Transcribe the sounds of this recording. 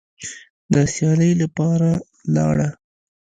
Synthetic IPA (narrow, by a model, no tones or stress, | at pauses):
d̪əsjɑləjlapɑɾa | lɑ̰ɽa